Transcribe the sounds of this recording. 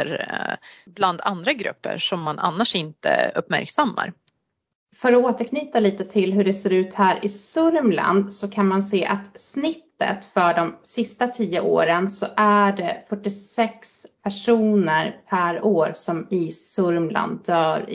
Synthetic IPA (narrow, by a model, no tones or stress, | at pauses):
ɾ | bland̪a̰nd̪ɾaɡɾɵ̰pːə̰ʂɔmːana̰nːaʂɪnt̪ə̰ɵ̰pːmæ̰ɾksamːa̰ɾ | fœɾɔoːt̪əɾkʰnyːt̪aliːt̪ət̪ʰɪlɦɵɖɛseːɾʉ̟ːt̪hæːɾʔɪsɵɾmla̰nd̪sɔkʰanmanseːʔat̪snɪt̪ːə̰t̪fœɖɔmsɪst̪at̪ʰiːəʔo̰ːɾənsɔʔæɖɛfœʈːɪsɛkspʰæʂuːnəɾpʰæɾoːɾsɔmɪsɵɾmlʔa̰nd̪œːɾ